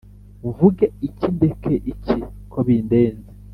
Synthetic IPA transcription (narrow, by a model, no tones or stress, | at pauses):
uvuɡeicindekʰeʔicikʰoβiːndeːnze